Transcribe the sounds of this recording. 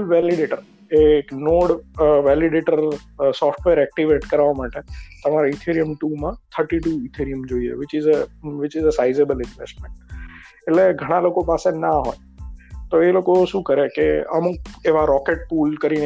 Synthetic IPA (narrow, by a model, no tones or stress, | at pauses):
lʋɛlɪɖeːʈəɾ | eknoːɽʋɛlɪɖeʈəɾsɔːfʈʋeɾɛk̚ʈiʋeːʈkəɾʋamaːʈet̪əmaɾeit̪ʰiɾiəmʈuːmãt̪ʰəɾʈiʈuːit̪ʰiɾiəmd͡ʒoːiḛʋɪt͡ʃɪzəʋɪt͡ʃɪzəsaɪzebəlɪ̃nʋḛsʈmẽɳʈ | eʈleɡʱəɽ̃aloːkopaːsenaɦoj | t̪oeloːkoʃũːkəɾekeə̰mũkeʋaɾɔːkeʈ̚puːlkəɾin